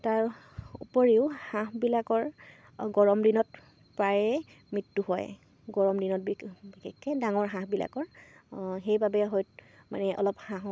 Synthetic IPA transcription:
taɹ | upɔɹiʊhãɦbilakɔɹ | ɡɔɹɔmdinɔt | paɹɛ | mɹitːuɦɔj | ɡɔɹɔmdinɔt̚bibiekʰːɛdaŋɔɹɦãɦbila̰kɔɹ | ɦejbabɛɦɔjt̚ma̰nɛʔɔ̰lɔphãɦ

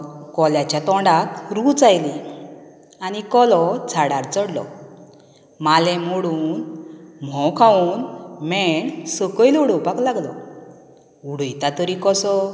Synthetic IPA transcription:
kɔljat͡ɕjat̪ɔɳɖat̪ɾut͡sajli | anikɔlɔt͡sʰaɽaɾt͡səɽlɔ̰ | malɛ̃mɔɽuːnm̤ɔ̃kʰauːnmɛɳsəkəiluɽəwpaklaɡlɔ̰ | uɽəjt̪at̪əɾikɔsɔ

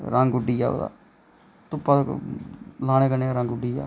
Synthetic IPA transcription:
ɾãːŋɡʊɖiaːo̰ːd̪a̰ː | t̪ʊpːa | laːñẽːkəneːaːɾãːŋɡʊɖiːja̰ː

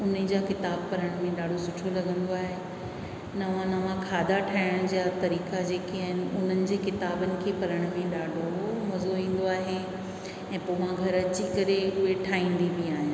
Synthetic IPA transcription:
ʊn̤əd͡ʑaːkɪt̪aːb̚pɐɾəɽ̃mẽɗaːɖʱosʊʈʰolɐɡə̃nd̪oaːɦe | nɐʋãnɐʋãkʰaːd̪ʱaʈʰaːɪəɽ̃d͡ʑat̪ɐɾiːkad͡ʑeːkiaːɦɪnɪ̆ʊn̤ənɪ̆d͡ʑeːkɪt̪aːbənɪ̆kʰeːpɐɾəɽ̃mẽɗaːɖʱomɐzoʋĩːn̆d̪oaːɦe | ɛ̃ːpoːmãɡʱɐɾɐt͡ɕikɐɾeʊɦeʈʰaːɦĩːn̆d̪iʋiaːɦe

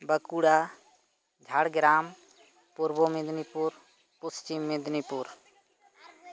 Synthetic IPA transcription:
bəkuɽa | d͡ʒʱaɽɡɾaːm | puɾbomɪd̪nipuɾ | pʊst͡ʃimːɪd̪nipuɾ

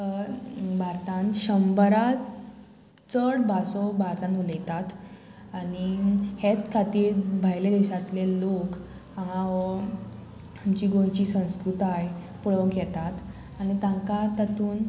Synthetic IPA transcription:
bʱaɾt̪ãnɕəmbəɾa | t͡səɽbʱasɔbʱaɾt̪ãnuləjt̪at̪ | anihet͡skʰat̪iːɾbʱajled̪ɛɕat̪lelok | ãŋãʋə | amt͡ɕiːɡojt͡ɕiːsə̃w̃skɾut̪aj | puɭʋəkjɛt̪at̪ | añit̪ãŋkat̪at̪uːn

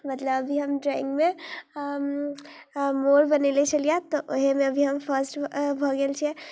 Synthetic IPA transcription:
mət̪ləbəbʱiɦəmɖɾaɪ̰̃ŋɡme | moɾbənelet͡ʃʰəlijãt̪ɔʔoɦemẽəbʱiɦəmpʰəɾsʈbʱɔɡelt͡ʃʰiɛ

